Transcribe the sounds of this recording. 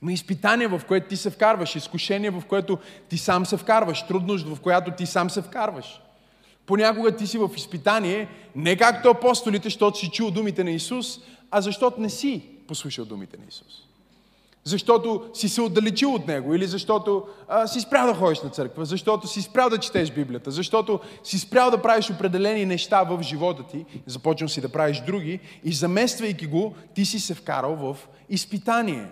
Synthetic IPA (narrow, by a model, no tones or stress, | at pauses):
mɐispit̪aniɛvɐfkoɛt̪oʊt̪isɛfkaɾvəʃiskʊʃɛniɛvɐfkoɛt̪ʊt̪isamsɛfkaɾvəʃt̪ɾud̪nos̬t̪vɐfkojat̪ʊt̪isamsɛfkaɾvəʃ | ponʲakʊɡət̪isivɐfispit̪aniɛnɛkakt̪oɐpɔst̪olit̪ɛʃt̪ɔt̪osit͡ʃulˠd̪umit̪ɛnɐisus | ɐzɐʃt̪ɔt̪onɛsiposlˠuʃəlˠd̪ṵmḭt̪ɛnɐ̰isu̥s | zɐʃt̪ɔt̪osisɛod̪d̪ɐlɛt͡ʃilˠot̪nɛɡoilizɐʃt̪ɔt̪osispɾʲavd̪ɐxɔd̪iʃnɐt̪sɤɾkvəzɐʃt̪ɔt̪ʊsispɾʲawˠd̪ɐt͡ʃi̥t̪ɛʃbiblijət̪əzɐʃt̪ɔt̪osispɾʲjalˠd̪ɐpɾaviʃopɾɛd̪ɛlɛninɛʃt̪avəfʒivɔt̪ət̪izɐpɔt͡ʃnəlsid̪ɐpɾaviʃd̪ɾuɡ̟iːzɐmɛst̪vɐjkʲiɡot̪isisɛfka̰ɾəlˠvəf | ispit̪aniɛ̰